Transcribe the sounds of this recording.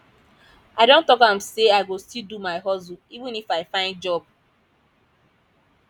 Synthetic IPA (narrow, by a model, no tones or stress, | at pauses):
aɪdõntɔkãmseaɪɡostildumaɪɦɔzuivũnifaɪfãɪ̃nd̚d͡ʒɔb